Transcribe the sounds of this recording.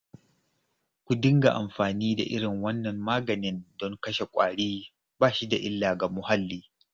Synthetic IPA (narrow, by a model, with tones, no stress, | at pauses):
kʷu˨dɪ˦ŋɡa̰˨ʔa˨mɸaː˨niː˦da̰˨ʔɪ˦ɽɪ˨ŋwɐ˦nːɐ˨mːaː˦ɡɐ˨nɪ˦ndɔ˦ŋkɐ˦ʃe˨kʷʼaː˨ɽiː˦ | baː˦ʃi˦da˨ʔɪ˦lːaː˨ɡa˨mʊ˨ha˦lːiː˦